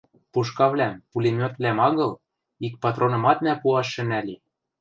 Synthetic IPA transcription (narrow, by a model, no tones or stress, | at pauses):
puʃkɑβlæmpulʲemʲot̪vlæmɑɣɤ̆l | ik̚pɑt̪ronɤ̆mɑt̪næpuɑʃːɘ̆nælʲi